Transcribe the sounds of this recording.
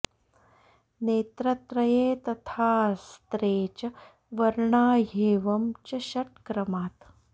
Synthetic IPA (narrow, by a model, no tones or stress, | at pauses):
neːt̪ɾɐt̪ɾɐjeːt̪ɐt̪ʰaːst̪ɾeːt͡ɕ | ʋɐɾɳaːɦeːʋɐmt͡ɕɐɕɐʈkɾɐmaːt̪